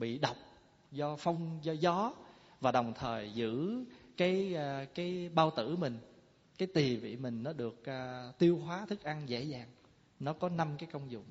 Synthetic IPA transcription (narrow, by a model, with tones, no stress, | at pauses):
ɓḭ˧˨ɗə˨˩wk͡p̚ | zɔ˧fɔ˧wŋ͡mzɔ˧zɔ˨˦ | vaː˨˩ɗə˨˩wŋ͡mt̪ʰəː˨˩jzɨ̰˧˥kaː˨˦jkaː˨˦jɓaː˧wt̪ɨ̰˧˥mï˨˩ŋ̟ | kaː˨˦jt̪i˨˩vḭ˧˨mï˨˩ŋ̟nɔ˨˦ɗɨ˨˩ək̚ːt̪i˧əwɦwaː˨˦t̪ʰɨ˦˥k̚ʔa˧ŋzḛ˧˥zaː˨˩ŋ | nɔ˨˦kɔ˨˦na˧mkaː˨˦jkə˧wŋ͡mzʊ̰˧˨ŋ͡m